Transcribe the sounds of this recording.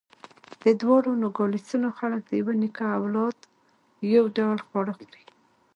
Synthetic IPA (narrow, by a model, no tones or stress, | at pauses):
d̪̥əd̪wɑɽonoɡɑlist̪unoxalək̚d̪əjawənikaːwlɑd̪ | jawɖawlxwɑɽəxd̪i̥